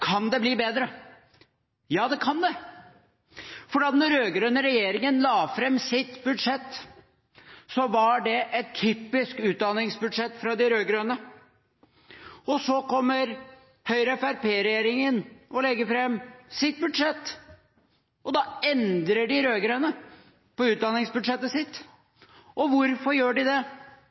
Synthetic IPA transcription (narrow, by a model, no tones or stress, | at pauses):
kʰɑnd̪ɛbliːbeːd̪ɾə | jɑːd̪ɛkʰɑnd̪ɛ | fɔɖɑːt̪nɔɾøːɡɾøːnəɾɛjeːɾɪŋənlɑːfɾɛmːsɪt̪bʉd̪ʂɛt̪ː | sɔʋɑɖɛʔɛt̪ʰːyːpɪskʉːt̪̚d̪ɑnɪŋsbʉd̪ʂɛt̪ːfɾɑd̪ɪɾøːɡɾøːnə | ɔsɔkɔmːəɾ | hœʏɾəɛfæɾpeːɾɛjeːɾɪŋənɔlɛɡːəfɾɛmːsɪt̪̚bʉd̪ʂɛt̪ː | ɔd̪ɑɛnd̪ɾəɖɪɾøːɡɾønə | pɔʉːt̪̚d̪ɑnɪŋsbʉd̪ʂɛt̪ːəsɪt̪ | ʔɔʋʊɾfɔɾjøːɖɪd̪ɛ